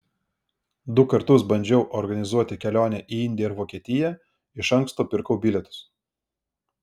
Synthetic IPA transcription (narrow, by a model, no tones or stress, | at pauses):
d̪ʊkɐɾt̪ʊsbɐnʲd͡ʒʲɛʊʔɔɾɡɐnʲɪzuɔt̪ʲɪkʲɛlʲoːnʲɛʔiːɪnʲd̪ʲɪjɛɪɾʋoːkʲiɛt̪ʲɪjæː | ɪʃɐŋkst̪oːpʲɪɾkɔʊbʲɪlʲɛt̪ʊ̥s